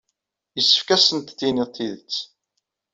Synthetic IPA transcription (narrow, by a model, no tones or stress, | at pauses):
jəsːə̥fkæsənt̪θinit̪ʰˤːiðət͡sː